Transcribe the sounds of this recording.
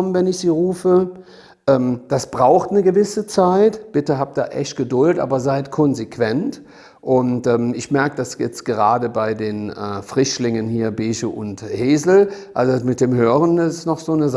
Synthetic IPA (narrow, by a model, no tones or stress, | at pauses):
ɔmənvɛnɪçz̥iːʁuːfə | ʔɛːmd̥asb̥ʁaʊxtnəɡəvɪsət͡saɪtb̥ɪtəɦaːp̚d̥a̰ːʔɛçt̚ɡ̥ədʊltʔa̰ːbɐzaɪtkʰɔnzekv̥ɛnt | ʔʊntʔɛːmɪçmɛɐkəd̥asjɛt͡stɡ̥əʁaːdəbaɪdeːnɛ̰ːfʁ̥ɪʃlɪŋənhiːɐbeːʃəʔʊntheːzl̩ʔalzomɪt̚d̥eːmɦøːʁənɪsnɔχz̥oːnəz